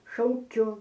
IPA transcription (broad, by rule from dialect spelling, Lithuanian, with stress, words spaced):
ʃɐʊˈkʲʊ